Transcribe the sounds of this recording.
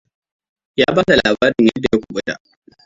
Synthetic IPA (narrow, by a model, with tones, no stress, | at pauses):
jaː˦baː˦ta˨laː˨baː˦ɾɪ˨ɲjɐ˦dːa˨ja˦kʷu˨ɓʷʼʊ˦ta̰˨